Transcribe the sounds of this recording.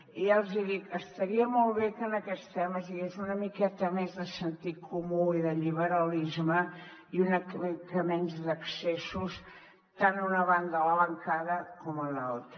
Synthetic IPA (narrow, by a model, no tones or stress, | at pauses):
ialˠziðik̪əst̪əɾiəmɔlˠβekənəkɛt̪st̪ɛməzðiɣezunəmikɛt̪əmezðəsənt̪ikʰumuiðəʎiβəɾəlizmə | iunəkmkəmɛnzðəksesus | t̪anunəβand̪ələβəŋkaðəkɔməlalˠt̪ɾə